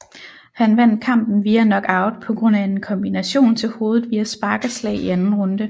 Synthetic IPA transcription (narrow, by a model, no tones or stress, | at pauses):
hænʋæn̰d̥̚kʰɑ̈m̰b̥n̩ʋiːænɒ̽ɡ̥ɑ̈ʊd̥pʰɒ̽ɡ̥ʁɔ̽n̰æe̝nkʰɒ̽mb̥inæɕo̝̰ːnt͡sʰe̝lho̝ːð̞̩ˠʋiːæsb̥ɑ̈ːɡ̥əslɛ̰ːɪiænn̩ʁɔ̽nd̥ə